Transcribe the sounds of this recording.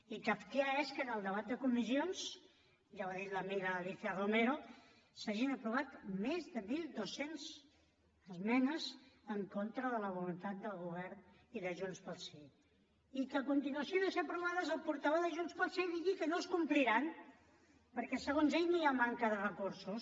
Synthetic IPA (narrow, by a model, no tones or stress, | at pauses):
ikapkaeskənəlˠd̪əβat̪̚d̪əkumizions | ʒawaðit̪ləmiɣaːliθiaromeɾo | saʒinəpɾuβ̞at̪mezðəmilˠd̪osenz | əzmɛnəzəŋkont̪ɾəðələβ̞ulunt̪at̪̚d̪əlˠɣuβ̞ɛɾn | iðəʒunspəlˠse | ikəkunt̪inuəsionoseəpɾuβaðəzəlˠpuɾt̪əβoðəʒunspəlˠseðiɣikənoskumpliɾan | pəɾkɛsəɣ̞onzeʎniamaŋkəðərəkuɾsus